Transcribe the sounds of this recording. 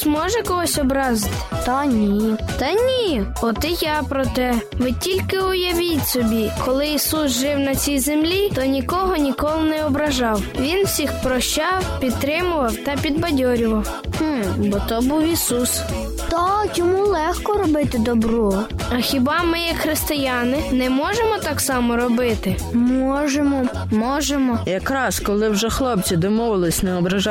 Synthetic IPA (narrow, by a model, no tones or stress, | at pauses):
zmɔʒɛkɔɦɔsʲɔbɾɑzɪt̪ɪ̥t̪ɐnʲit̪ɐnʲiɔt̪ɪjɑpɾɔt̪ɛʋɪtʲilʲkɪʊjɐʋʲitʲsɔbʲikʰɔlˠɪisusʒɪwnɐt͡sʲijzemlʲit̪ɔnʲikɔɦɔnʲikɔlˠɪnɛɔbɾɐʒɑwʋʲinwsʲixpɾɔʃt͡ʃɑwpʲid̪̚t̪ːɾɪmʊʋɐwt̪ɐpʲid̪bɐdʲɔɾʲʊʋɐw | h̩bɔt̪ɔbuwisus | t̪ɔt͡ʃɔmulˠɛxkɔɾɔbɪt̪ɪd̪ɔbɾɔɐxʲibɑmɪjɐkxɾɪst̪ɪjɑnɪnɛmɔʒemɔt̪ɑksɑmɔɾɔbɪt̪ɪ | mɔʒemɔ | mɔʒemɔjɐkɾɑskɔlˠɪwʒɛxlˠɔp̚t͡sʲid̪ɔmɔʋɪlˠɪsʲnɛɔbɾɐʒɑ